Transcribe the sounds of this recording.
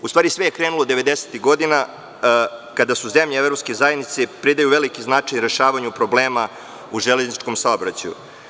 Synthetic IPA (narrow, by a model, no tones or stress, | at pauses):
ust̪vaːɾisʋejekɾenulo̞d̪eʋe̞d̪ese̥t̪iɣɡo̞d̪ina | kad̪asuzemʎeevɾopskezajed̪nit̪sepɾid̪ajuʋelikiznaːt͡ʂejnɾe̞ʃaːʋaɲupɾo̞bleːma | uʒeleznit͡ʃko̞msaobɾat͡ɕajṵ